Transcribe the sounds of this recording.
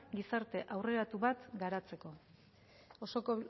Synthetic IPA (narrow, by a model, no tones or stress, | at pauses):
ɡisaɾt̪e̞ʔawre̞ɾat̪uβat̪ɡaɾat͡se̞ko̞ | oso̞ko